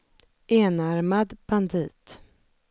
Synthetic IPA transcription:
ʔeːnaɾmad̪b̥and̪iːt̪

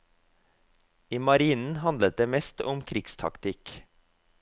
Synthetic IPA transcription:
iːmɑɾiːnn̩hɑnd̪ət̪̚d̪eːmɛst̪ʰʊmkʰɾɪɡst̪ʰɑ̰kt̪ʰɪk

